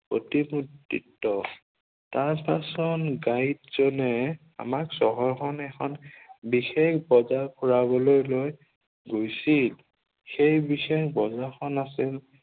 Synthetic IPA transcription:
po̰timutːḭtːɔ | taɹpasɔnɡajtz̥ɔnɛ | a̰maksɔɦɔɹxɔnɛxʰɔnbixekbɔzapʰuɹabɔlojloj | ɡojsil | xejbixexbɔzaxʰɔnasil

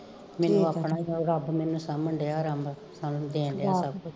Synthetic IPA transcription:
mɛːnũːəːpːɳaːɾəbmɛːnũːsamːəɳɖeaːɾəmb | saːñːd̪eːnd̪jaːsəbkʊ

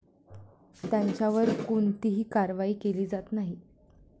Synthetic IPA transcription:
t̪jaɲt͡ɕjaʋəɾkuɳt̪iɦiːkaɾʋaiːkeliːd͡zat̪naɦi

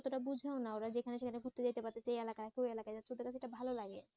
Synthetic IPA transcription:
t̪oʈabud͡ʑʱaonaoɾad͡ʑekʰaneʃekʰaneɡʱut̪ːed͡ʑajt̪epaɾt̪ːet͡ɕʰejɛlakaɾakoelakajd͡ʑat̪ːʰeod̪eɾkat͡ɕʰeeʈabʱalolaɡe

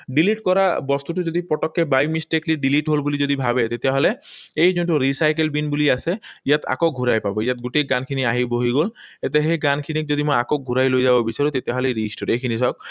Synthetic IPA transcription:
ɖiliʈkɔɾabɔst̪uʈuzod̪ipɾɔʈɔkːebajmisʈekliɖiliʈɦolbulizod̪ibʱabet̪et̪aɦɔleejzonʈuɾisajk̬elbinbuliaseijat̪a̰kok̚ɡʱuɾajpabɔijat̪̚ɡuʈejɡankʰiniaɦiboɦiɡolet̪̬eɦejɡankʰinik̚zod̪imojakok̚ɡʱuɾajlojzabɔbisaɾut̪et̪eaɦɔleɾisʈɔɾejkʰinisɔk̚

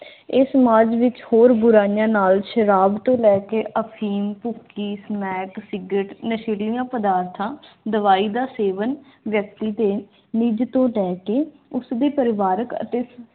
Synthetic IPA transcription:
eːsəmaːd͡ʒʋɪt͡ʃhoːɾbʊɾaːijãːnaːlʃəɾaːbt̪õːlɛːkeːʔəpʰiːmpʊkːiːsmɛːksɪɡəʈnəʃeːlijãːpəd̪aːɾt̪ʰãːd̪əʋaːiːd̪aːseːʋən | ʋjək̚t̪iːd̪eː | niːd͡ʒt̪õːʈɛːkeː | ʊsd̪eːpəɾɪʋaːɾəkə̰t̪eː

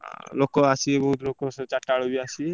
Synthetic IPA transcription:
a̰lokːoasʰieboɦut̪lokːosɔt͡ʃaʈːaɭobiasʰie

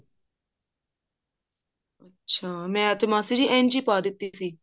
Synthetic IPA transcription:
ətːʃʰaːmɛ̃ːət̪emãːsiɾiːʔɛ̃ːnd͡ʒiːpaːd̪ɪt̪ːiːsiː

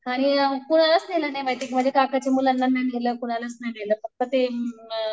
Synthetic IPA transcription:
aɽ̃ikuɽ̃alət͡snelanajbajt̪ikiːm̤əɳd͡zekakʰat͡ɕemulənːanːajnʱeləːkuɽ̃alət͡snajneləːpək̚pət̪e

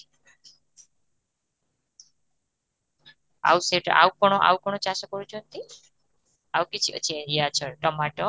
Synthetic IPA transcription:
a̰wseʈɔ̰ʔa̰wkɔɽ̃ɔʔa̰wkɔɽ̃ɔt͡ʃasɔkɔɾut͡ʃʰɔnt̪i | awkit͡ʃʰiʔɔ̰t͡ʃʰieɾiat͡ʃʰɔʈɔmaʈɔ

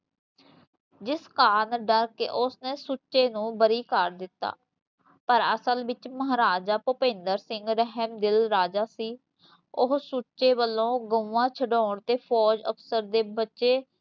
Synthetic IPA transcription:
d͡ʒɪskaːnɖəɾkḛːʔʊsneːsuːʃeːnũːbəɾiːkəɾd̪ɪt̪ːa̰ː | pəɾəsəlʋɪt͡ʃməɦɾaːd͡ʒaːpʊpẽːnd̪əɾsɪŋɡɾəɦəmd̪ɪlɾaːd͡ʒaːsiː | ʊɦsut͡ʃʃeːʋəlːõːɡəuãːt͡ʃʰəɖoːɳt̪eːpʰɔːd͡ʒəpʰsəɾd̪eːbətːʃeː

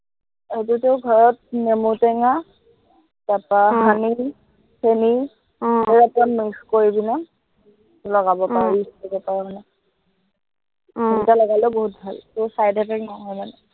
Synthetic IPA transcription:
etuteʊɡʱɔɹɔt̚nemutɛŋa | tapaɦani | sʰeni | eɹapamiskoɹibina | lɔɡabɔpaɹisɔbɔpaɹɔmana | intalɔɡalɛboɦut̚bʱaltɔsajdɛpʰɛknɔɦɔjmanɛ

